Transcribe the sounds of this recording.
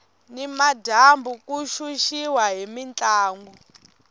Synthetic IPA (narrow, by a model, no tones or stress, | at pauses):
nimadʱambukuʃuʃiwaɦimint͡ɬaːŋɡɔ